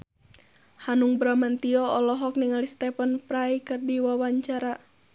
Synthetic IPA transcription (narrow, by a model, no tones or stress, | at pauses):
hanuŋbɾamant̪iɔɔlɔɦɔkniŋalist̪ɛpənpɾaikɨrdiwawaɲt͡ʃaɾa